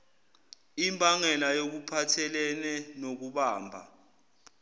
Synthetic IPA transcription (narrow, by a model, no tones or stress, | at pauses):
imbʱʼaŋɛlajok̬upʰatʰɛlɛnɛnok̬uɓaːmbʱa̰